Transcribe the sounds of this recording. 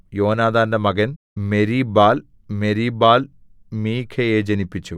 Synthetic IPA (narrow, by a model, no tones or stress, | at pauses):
jo̞ːnaːd̪aːndɐmɐɡɐn | meɾibaːl | meɾibaːl | miːkʰɐjeːd͡ʑɐnipːit͡ɕːu